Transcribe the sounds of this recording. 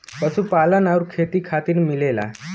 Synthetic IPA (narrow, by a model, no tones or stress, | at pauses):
pəsupalənauɾkʰet̪iːkʰat̪iːnmilela̰